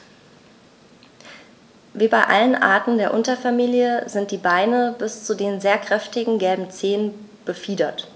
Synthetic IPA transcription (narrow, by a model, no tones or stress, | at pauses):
viːbaɪʔa̰lənʔa̰ːɐtn̩deːɐʔʊntɐfamiːljəzɪnt̚d̥iːbaɪnəbɪst͡sudeːnzeːɐkʁ̥ɛftɪɡŋ̩ɡɛlbm̩t͡seːən | b̥əfiːdɐt